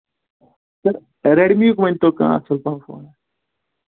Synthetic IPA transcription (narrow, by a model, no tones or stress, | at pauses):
səɾ | ɾeːɽmjuːkmẽnt̪oːkã̰ːə̰səlpãːfo̰ːnɛː